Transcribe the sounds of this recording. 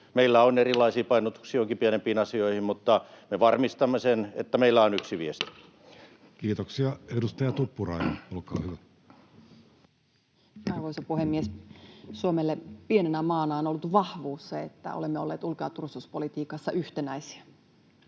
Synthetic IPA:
meilːæonerilːˑɑisiːpɑinot̪u̥ksiːjoŋkipienempiːnɑsioihimmut̪ːɑmeʋɑrmist̪ɑmːesenḛt̪ːæmeilːæonyksiʋiest̪i̥ | kiːt̪oksiɑedust̪ɑjɑt̪upːurɑ̰ijɑ̰nolkɑ̰ːhyʋæ | ɑrʋoisopuhemːiessuomelːepienenæmɑːnɑonolːut̪ʋɑhʋuːsːɑet̪ːæ̰olemːeolːḛːt̪ulkeɑt̪ursuspolit̪iːkɑsːɑʔyht̪enæisi̥æ

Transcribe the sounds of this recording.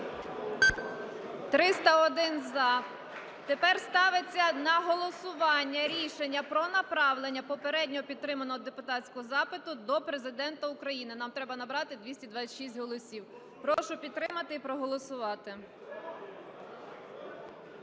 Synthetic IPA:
t̪ɾɪst̪ɐɔd̪ɪnzɑ | t̪epɛrst̪ɑʋet͡sʲːɐnɐɦɔlˠɔsʊʋɑnʲːɐɾʲiʃenʲːɐpɾɔnɐpɾɑʋlˠenʲːɐpɔpeɾɛdʲnʲɔɦɔpʲid̪t̪ːɾɪmɐnɔɦɔd̪epʊt̪ɑtʲt͡sʲkɔɦɔzɑpɪt̪ʊd̪ɔpɾe̞zɪd̪ɛnt̪ɐʊkɾɐjinɪnɑmt̪ɾɛbɐnɐbɾɑt̪ɪd̪ʲʋʲisʲtʲid̪ʋɑt͡sʲːʃisʲtʲɦɔlˠɔsʲiw | pɾɔʃʊpʲid̪t̪ːɾɪmɐt̪ɪipɾɔɦɔlˠɔsʊʋɑt̪ɪ

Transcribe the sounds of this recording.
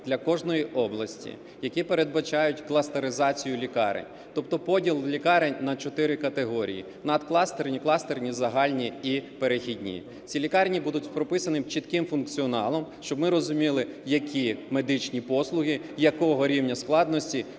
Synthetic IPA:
d̪lʲɐkɔʒnɔjiʔɔblˠɐsʲtʲḭ | jɐkʲipeɾed̪̚bɐt͡ʃɑjʊtʲklˠɐst̪eɾɪzɑt͡sʲijʊlʲikɑ̰ɾḛnʲ | t̪ɔpt̪ɔpɔdʲilˠlʲikɑɾenʲnɐt͡ʃɔt̪ɪɾɪkɐt̪eɦɔɾʲḭjḭ | nɐd̪klˠɑst̪ernʲiklˠɑst̪ernʲizɐɦɑlʲnʲiipeɾexʲidʲnʲḭ | t͡sʲilʲikɑrnʲibud̪ʊtʲpɾɔpɪsɐnɪmt͡ʃit̪kɪmfʊnkt͡sʲiɔnɑlˠɔmʃt͡ʃɔbmɪɾɔzʊmʲilˠɪjɐkʲʰime̞d̪ɪt͡ʃnʲipɔslˠʊɦʲijɐkɔɦɔɾʲiwnʲɐsklˠɑd̪nɔsʲtʲi

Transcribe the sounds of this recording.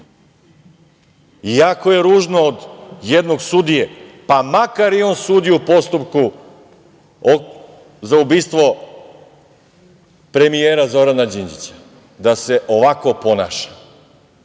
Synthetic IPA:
iako̞je̞ɾuːʒnoːd̪jed̪no̞ɡsud̪ijepamakaɾjeo̞ːnsuːd̪ijupo̞st̪upku | o | zaubiːst̪ʋo̞ | pɾe̞mijeːɾazo̞ɾanad͡ʑind͡ʑḭt͡ɕḁ | d̪ase̞ʔo̞ʋako̞po̞na̰ːʃḁ

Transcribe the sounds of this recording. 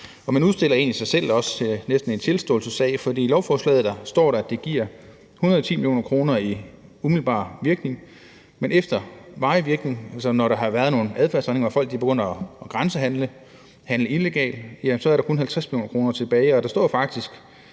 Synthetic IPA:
ɒ̽mænuð̞ˠsd̥e̝l̰ɐe̝̰ːnisɑ̈ɪsel̰ɒ̽sə̥t͡sʰe̝nesd̥n̩e̝nt͡sʰe̝lsd̥ɔ̰̽ːl̩səsɛ̰ːɪfɒ̽d̥ḭːlɒʊfɒːslɛ̰ːð̩ˠd̥ɑ̈sd̥ɒ̰ːɾɑ̈æd̥e̝ɡ̥iɐ̰ | unɐðˠɒt͡sʰḭːmiljo̝̰ːnɐkʰʁo̝ːnɐi | umiðl̩bɑ̰̈ːʋiɐɡ̥ne̝ŋ | menʔefd̥ɐʋɑ̈ɪʋiɐɡ̥ne̝ŋælsɐnɒɾɑ̈ɦɑ̈ʋæːɐð̞̩ˠno̝ːn̩æð̞ˠfæɐsne̝ŋɐɑfɒ̽l̰ɡ̥̚d̥ibeɡ̥ø̽n̰ˠɒɡ̥ʁansəɦænlə | hænləile̝ɡ̥ɛ̰ːld̥jæmsɒ̽æɐɾɑ̈kʰo̽nɦælt͡sʰʁasmilo̝̰ːnɐkʁo̝ːnɐt͡sʰe̝b̥ɛːɪɒ̽d̥ɑ̈sd̥ɒ̰ːfɑ̈ɡ̥̚d̥isɡ̥

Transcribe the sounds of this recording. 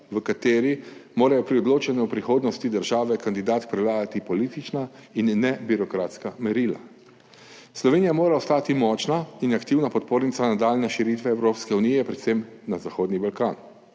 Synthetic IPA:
ʋəkat̪eːɾimoːɾajɔpɾiɔd̪loːt͡ʃɛnɛupɾixoːd̪nɔst̪id̪əɾʒaːʋɛkand̪id̪aːt̪pɾɛwlaːɡat̪ipɔliːt̪it͡ʃnainːɛbiɾɔkɾaːt̪skamɛɾiːla̰ | slɔʋeːnijamoːɾaɔst̪aːt̪imɔːt͡ʃnainakt̪iwnapɔt̪̚poːɾnit̪sanad̪aːlnɛʃiɾit̪ʋɛːwɾoːpskɛunijɛpɾɛt̪sem | nazaxoːd̪nibalkaːn

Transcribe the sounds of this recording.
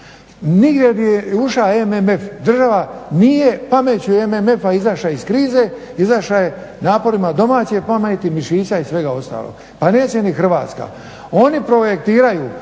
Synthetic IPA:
niɡd̪jed̪jeuʃaememe̞fd̪r̩ʒaʋanije̞pamet͡ɕuememe̞faizaʃaiskɾiːze̞ | izaʃaje̞ | naːpo̞ɾimad̪o̞maːt͡ɕepamet̪imiʃiːsaisʋe̞ɡao̞st̪a̰ːlo̰ɡ̥ | pane̞ːt͡ɕe̞nixr̩ʋa̰ːt̪ska̰ | o̞nipɾo̞jek̚t̪iːɾajuː

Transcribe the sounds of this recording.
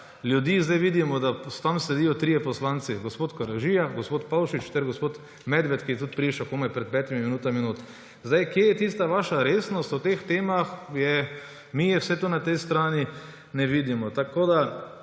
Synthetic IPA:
ljud̪jiːzd̪ajʋid̪imɔd̪ast̪amsɛd̪iːjɔt̪ɾiːjɛpɔslaːnt̪siɡospoːt̪kɔɾaʒiːjaɡospoːt̪pawʃit͡ʃt̪ɛɾɡospoːt̪ | mɛd̪ʋɛt̪kijɛt̪ut̪pɾiːʃakoːmɛjpɾɛt̪̚pɛːt̪imiminuːt̪aminut̪ | zd̪ajkjejɛt̪is̬t̪aʋaːʃaɾeːsnɔst̪ut̪ext̪eːmaxjɛ | mijɛwsɛt̪onat̪ɛjst̪ɾaːni | nɛʋiːd̪imɔt̪akoːd̪a

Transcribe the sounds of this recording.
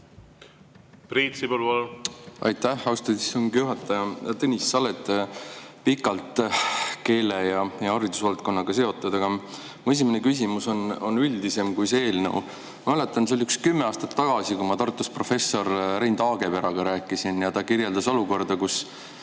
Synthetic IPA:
pɾit̪sibolvolɑ̰jt̪ːæhɑwst̪ɑt̪i̥soŋɡjuɦɑt̪ːˑɑjɑt̪ɤnʲisːɑlet̪ːˑ | pikːˑɑlt̪ˑke̞ːlejɑjɑɑɾid̪̥usvɑlt̪̚ko̞nːɑɡ̥ɑse̞o̞t̪ːˑud̪̥ɑɡ̥ɑ | mue̞s̬imene̞kys̬imuso̞no̞nːyld̪ise̞mkujsee̞ːlnḛw | mɑmæle̞t̪ːˑɑns̬eoliykskymːeɑːst̪ɑ̥t̪ːɑɡ̥ɑsikumɑt̪ɑrt̪ːˑuspro̞fe̞sːo̞rrejnd̪ɑːɡe̞peɾɑɡ̥ɑɾæːkːˑisinjɑt̪ɑkirje̞ld̪ɑso̞luko̞rd̪̥ɑkus

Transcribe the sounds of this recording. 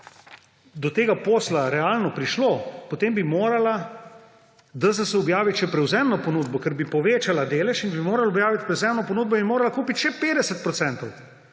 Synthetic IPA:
d̪ɔt̪eːɡapoːslaɾɛaːlnɔpɾiʃloːpot̪eːmbimoːɾala | d̪asasɛɔbjaːʋiʃɛpɾɛwzɛmnɔponuːd̪bɔkɛɾbipɔʋeːt͡ʃalad̪eːlɛʃinbimoːɾalɔbjaːʋit̪̚pɾɛwzɛmnɔpɔnuːd̪̚bɔinmoːɾalakuːpit̪ʃɛpeːd̪ɛsɛt̪̚pɾɔt̪sɛnt̪ɔw

